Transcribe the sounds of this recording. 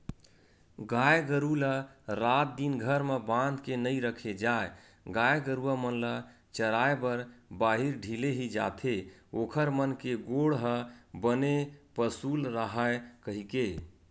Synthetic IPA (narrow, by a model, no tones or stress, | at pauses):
ɡajɡəɾuləɾat̪̚d̪inɡʱəɾmebãnd̪kenəiɾəkʰed͡ʒae | ɡajɡəɾuəmənlə | t͡ʃəɾaebəɾbaɦiɾɖʱileɦid͡ʒa̰t̪ʰeokʰəɾmənkeɡoɽɦəbənepəsulɾəɦaekəɦike